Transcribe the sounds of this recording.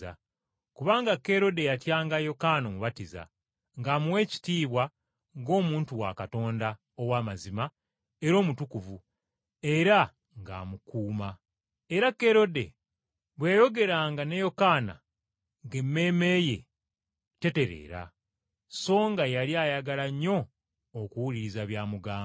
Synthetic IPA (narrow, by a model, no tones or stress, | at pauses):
a̰ | kuβaːŋɡakːe̞ɾo̞de̞jatjaːŋɡajo̞kaːno̞muβatiza̰ | ŋɡaːmuwe̞ːci̥tiːβwa | ŋɡo̞ːmuːntuwa̰kato̞ːnda | owaːmazima | e̞ɾo̞ːmutukuvu | e̞ɾa | ŋɡa̰ːmukuːma | e̞ɾakːe̞ɾo̞de̞̰ | βweːjo̞ɡe̞ɾaːŋɡane̞jo̞kaːna̰ | ŋɡemːe̞ːme̞je̞̰ | te̞te̞ɾḛːɾa̰ | so̞ːŋɡajaliaːjaɡalaɲːo̞ː | kuwuliɾizaβjaːmuɡaː